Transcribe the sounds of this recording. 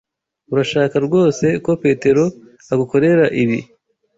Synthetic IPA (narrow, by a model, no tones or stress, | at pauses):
uɾaʃaːkaɾɡo̞ːse̞ko̞pe̞te̞ɾo̞ | aɡuko̞ɾe̞ɾaʔiβḭ